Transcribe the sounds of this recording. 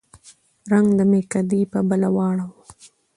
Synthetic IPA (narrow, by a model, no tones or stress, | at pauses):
ɾaŋɡd̪əmekad̪ipəbəlawɑɽawu